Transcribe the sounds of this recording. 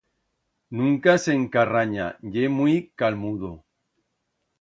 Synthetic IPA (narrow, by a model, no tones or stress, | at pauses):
nũŋkase̞ŋkaraɲa̰ʎemwikalmuðo